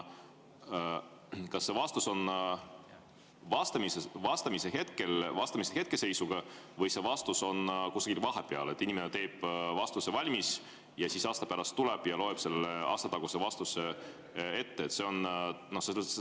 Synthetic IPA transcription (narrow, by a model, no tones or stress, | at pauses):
kɑsːe̞vɑst̪uso̞n | vɑst̪ɑmisevɑst̪ɑmise̞ɦe̞t̪̚ke̞lvɑst̪ɑmiseɦe̞t̪̚ke̞se̞jsuɡ̥ɑvɤjse̞vɑst̪uso̞nkusɑkilvɑɦepeɑ̰let̪ːinimenet̪e̞ːb̥vɑst̪usevɑlʲmis | jɑsisɑːst̪ɑ̥pæɾɑst̪ːule̞b̥jɑlo̞epse̞lːeʔɑ̰st̪ɑt̪ɑɡ̥usevɑst̪use | e̞t̪ːe̞ːt̪ːˑse̞o̞nno̞hse